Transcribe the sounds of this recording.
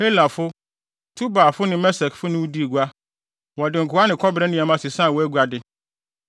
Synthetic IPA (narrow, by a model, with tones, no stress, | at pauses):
he˦lã˨fʊ˦ | tʰu˦baː˨fʊ˦nɪ̃˦mɛ˦sɛ˨kfʊ˦nʊ̃˦wʊ˦di˦˨ɡu˨˦a˦ | wɔ˨dɪ˨ŋ̩˨kʰʊ˨˦a˦nɪ̃˨kʰɔ˦bɾɛ˦nɪ̃˦˨a˨mã˦sɪ˨sã˦˨wɔ˨æ˦ɡʷu˨˦a˨dɪ˦